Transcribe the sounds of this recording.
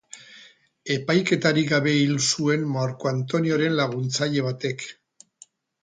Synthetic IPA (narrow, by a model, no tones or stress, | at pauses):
e̞pajke̞t̪aɾiɡaβe̞ilsue̞nmaɾko̞ant̪o̞nio̞ɾe̞nlaɣ̞unt͡saʎe̞β̞at̪e̞k